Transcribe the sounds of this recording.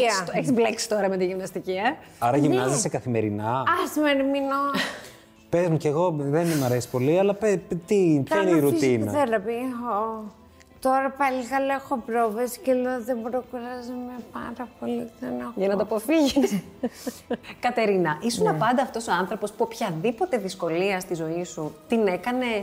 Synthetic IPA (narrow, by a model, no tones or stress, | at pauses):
ɐeçizbleksi̥t̪o̞ɾɐmet̪iʝimnɐst̪iciɐ | ɐɾɐʝimnɐzisekɐθime̞ɾinɐɐsimeɾmino | pezmuceɣo̞ðenmɐɾesi̥po̞liɐlɐpet̪ipçɐineiɾut̪inɐðeɾɐpio | t̪o̞ɾɐpɐliɣɐloexopɾovesi̥celoðebɾokuɾɐzemepɐɾɐpoliðenexojɐnɐt̪ɐpofiʝes | kɐt̪e̞ɾinɐʔisunɐpɐnd̪ɐːft̪o̞so̞ɐnθɾopo̞spuopçɐðipo̞t̪e̞ðisko̞liɐst̪izo̞isut̪ine̞kɐne̞s